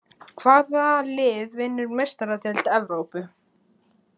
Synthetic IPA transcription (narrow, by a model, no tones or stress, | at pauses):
kʰv̥aːðalɪːðvɪnːʏɾmejst̪aɾat̪ʰɛlt̪ɛvɾowpʏ